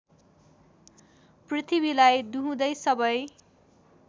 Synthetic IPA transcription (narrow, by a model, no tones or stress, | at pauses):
prit̪ʰibilajd̪uɦũd̪ʌjsʌbʌj